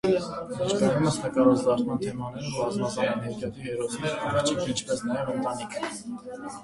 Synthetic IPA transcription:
ɛt͡ʃkɑjuməsnəkɑɾɔt͡slɑɾmɑnt̪ʰɛmɑnɛɾumbɑzmɑt͡sɑɛnɛɾkjɑt̪ʰiɦɛɾɔt͡sʰnɛɾɑɾɑt͡ʃʰikʰint͡ʃʰpɛsnɑjɛvənt̪ɑnikʰə

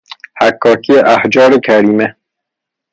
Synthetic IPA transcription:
hækʰːɒːkʰijeʔæhd͡ʒɒːɾekʰæɾiːme

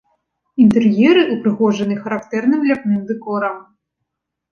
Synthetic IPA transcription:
int̪ɨrjɛɾɨʔupɾɨɣɔʐɐnɨxɐɾakt̪ɛrnɨmlʲapnɨmd̪ɨkɔɾɐm

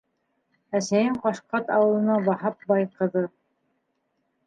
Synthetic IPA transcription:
æsæjɘɴqɑʃqɑt̪ɑwɤ̆lˠɤ̆nɑbɑhɑp̚bɑjqɤ̆ðɤ

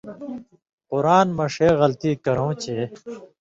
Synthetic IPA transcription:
qʊɾaːnmɐʂeːɣɐlt̪iːkɐɾõːt͡ɕeː

